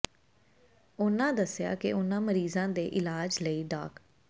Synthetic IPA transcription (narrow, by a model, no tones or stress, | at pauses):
ʊnãːd̪əsːɪja̰ːkɪ̰ʊnãːməɾiːzãːd̪eːʔɪlaːd͡ʒləiːɖa̰ːk